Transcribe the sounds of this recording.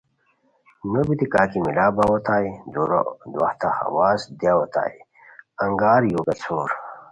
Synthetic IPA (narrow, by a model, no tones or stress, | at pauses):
nobit̪ikaːkimilaːbawɐt̪aːid̪uɾ̰d̪wɐ̰ht̪ahɐ̰waːsd̪jaːwɐt̪a̰ːi | ɐŋɡaːɾjoːɡɐt͡sʰoːɾ